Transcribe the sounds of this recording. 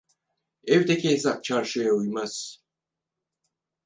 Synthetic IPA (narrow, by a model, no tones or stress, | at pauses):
ɛvd̪ɛcʰʲezap̚t͡ʃʰaɾʃɯjaujmaz̥